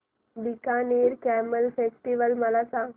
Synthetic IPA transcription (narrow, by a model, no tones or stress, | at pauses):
bikaneɾkæməlfesʈiʋəlməlasa